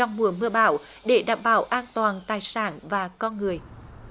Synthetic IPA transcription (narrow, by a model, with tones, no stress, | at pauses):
ɔ˧wŋ͡mmu˨˩əmɨ˧əɓaː˧˩w | ɗe˧˩ɗa̰ː˧˨mɓaː˧˩˦wʔaː˧nt̪waː˨˩nt̪aː˨˩jsaː˧˩nvaː˨˩kɔ˧nŋɨ˨˩əj